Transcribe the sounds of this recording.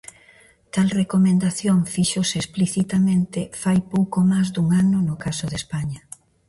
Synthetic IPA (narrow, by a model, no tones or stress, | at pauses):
t̪alrekomẽnd̪aθjoŋfiʃoseespliθit̪amẽnt̪ɪfajpowkomazd̪uŋanʊnʊkasoðespaɲɐ